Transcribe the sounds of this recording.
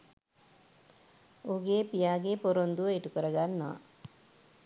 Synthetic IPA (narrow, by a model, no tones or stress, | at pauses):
oɡeːpijaːɡepoɾond̪uəeʈukəɾəɡanːɐʋa̰